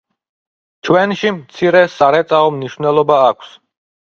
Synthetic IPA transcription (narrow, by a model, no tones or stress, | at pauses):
t͡ʃʰwɛnʃimt̪sʰiɾɛsaɾɛt̪sʼaɔmniʃvnɛlˠɔbaːkʷʰs